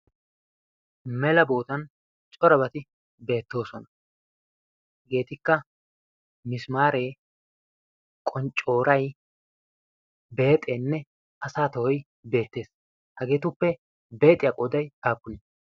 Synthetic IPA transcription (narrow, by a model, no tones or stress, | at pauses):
mɛlɐbo̞ːt̪ɐn | t͡ʃʼɔɾɐbɐt̪ɪ | be̞ːt̪ːo̞ːsɔnɐ | ɡe̞ːt̪ɪkːɐ | mɪsmaːɾe̞ː | kʼɔnt͡ʃʼːo̞ːɾɐj | be̞ːt̪ʼeːnːɛ | ɐsaːt̪ɐhɔj | be̞ːt̪ːe̞ːs | hɐɡe̞ːt̪ʊpːɛ | be̞ːt̪ʼɪjɐkʼɔd̪ɐjhaːpːʊni